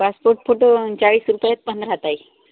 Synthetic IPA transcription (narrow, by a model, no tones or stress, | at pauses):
paspoɾʈ̚fʰoʈot͡ɕaɭiːsɾupəjat̪̚pənd̪ɾəɦət̪ai